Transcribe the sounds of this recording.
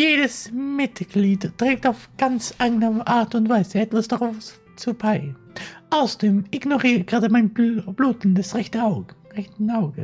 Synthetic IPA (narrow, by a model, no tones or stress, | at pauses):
jeːdəsmɪtɡ̥liːttʁ̥ɛːk̚taʊfɡ̥ant͡sʔaɡnəʔaɐtʊntv̥aɪzəɛtv̥asd̥aʁaʊf | t͡subaɪ | ʔaʊsɐd̥eːmʔɪɡnoʁiːəɡ̥ʁaːdəmaɪnbb̥luːtn̩dasʁɛçtəaʊɡʁɛçtn̩aʊɡə